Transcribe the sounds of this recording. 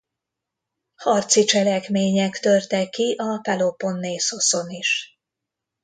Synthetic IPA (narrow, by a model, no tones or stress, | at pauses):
hɒrt̪sit͡ʃɛlɛkmeːɲɛkt̪ø̞rt̪ɛkːiʔɒpɛlo̞po̞nːeːso̞so̞niʃ